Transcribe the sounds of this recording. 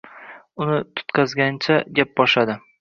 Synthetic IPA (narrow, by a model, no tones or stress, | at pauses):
ʊnɪt̪ʰʊ̥t̪qʰɑzɡʲant͡ʃʰaɡʲap̚bɒʃad̪ɪ